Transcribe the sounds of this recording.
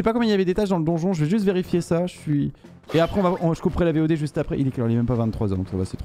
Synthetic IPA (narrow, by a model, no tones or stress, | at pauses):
əsɛpakɔmiljavɛd̪et̪aʃd̪ɑ̃ləd̪ɔ̃ʒɔ̃ʒəvɛʒyst̪veʁifjesaʒəsɥi | eapχɛɔ̃vaɔ̃ʒə̥kupχɛlaveod̪eʒyst̪apχɛʔileklɔʁlɛmɛmpavɛ̃t̪t̪χwazɑ̃d̪ɔ̃ksavaset̪χ